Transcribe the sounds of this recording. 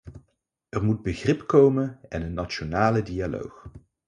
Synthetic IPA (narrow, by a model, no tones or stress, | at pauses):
ʔɛrmud̚bəχrɪpkowmənɛnənːat͡ʃonaːlədialo̰wx